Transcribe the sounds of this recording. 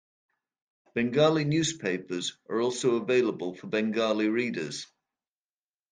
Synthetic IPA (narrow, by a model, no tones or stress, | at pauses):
b̥ɛ̃ŋɡɑːlinjʉːz̥pʰeɪpəzʔə̰ɹɔˑlˠsoʊəveɪləbəlˠfəbɛ̃ŋɡɑːliɹiːdəz̥